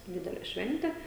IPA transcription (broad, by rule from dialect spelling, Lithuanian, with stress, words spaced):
ˈdʲɪdʲɛlʲɛ ˈʃʲʋʲɛnʲtʲɛ